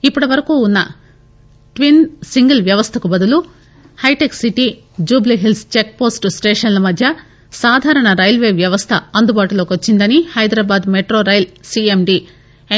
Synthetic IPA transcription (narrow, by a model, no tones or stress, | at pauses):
ipːuɽɐʋɐɾɐkuːunːɐ | ʈʋinsiŋɡɐlʋjɐʋɐst̪ʰɐkubɐd̪ulu | hɐjʈeksiʈi | d͡ʒuːbliɦilst͡ʃek̚po̞ːsʈsʈeːʂɐnlɐmɐd̪ʱjɐ | saːd̪ʱaːɾɐɳɐɾɐjlʋeːʋjɐʋɐst̪ʰɐɐnd̪ubaːʈulo̞ːkʋot͡ʃːind̪ɐnihɐjd̪ɾaːbaːd̪meʈɾoːɾɐjlsiemɖi